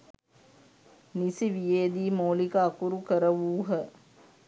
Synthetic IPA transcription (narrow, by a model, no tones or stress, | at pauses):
nisiʋijeːd̪iːmoːlikəakuɾukəɾəʋuːɦə